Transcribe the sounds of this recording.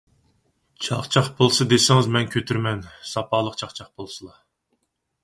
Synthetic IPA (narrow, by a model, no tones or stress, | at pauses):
t͡ʃʰɑχt͡ʃʰɑχbʰolˠsɨd̪esɪŋɪzmɛnkʲʰøt̪ʰyɾmɛnsɑpʰɑːlˠəqt͡ʃʰɑχt͡ʃʰɑχbolˠsɨlˠɑ